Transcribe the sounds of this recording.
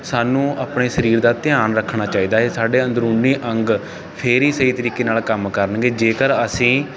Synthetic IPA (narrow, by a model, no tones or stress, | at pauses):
saːnũːʔaːpɳeːsəɾiːɾd̪aːt̪ɪjaːnɾəkʰːɳaːt͡ʃaːiːd̪aːeːsaːɖeːənd̪ɾuːniːʔəŋɡ | pʰɪɾiːsəiːt̪əɾiːkeːnaːlkəmkəɾənɡeːd͡ʒeːkəɾəsĩː